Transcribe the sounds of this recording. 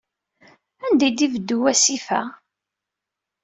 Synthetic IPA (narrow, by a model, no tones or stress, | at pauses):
ænd̪æjd̪ivəd̪ːuwæsifæ̰